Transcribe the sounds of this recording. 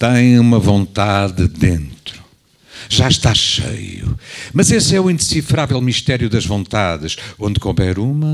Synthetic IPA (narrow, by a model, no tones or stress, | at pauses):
t̪ɐ̃j̃umɐvõnt̪aðɨðẽnt̪ɾu | ʒaʃt̪aʃḛjṵmɐzesɛuĩnd̪ɨsifɾavɛlˠmiʃt̪ɛɾjuðɐʒvõnt̪aðɨʃõnd̪kɔβɛɾumɐ